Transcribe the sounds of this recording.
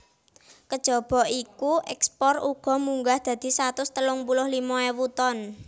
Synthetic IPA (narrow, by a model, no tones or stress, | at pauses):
kəd̥ʒ̥ɔ̤b̥ɔ̤ikuʔɛkspɔruɡ̥ɔ̤muŋɡahd̪̥ä̤d̪̥i̤sat̪ʊst̪əlʊŋpulʊhlimɔewut̪ɔn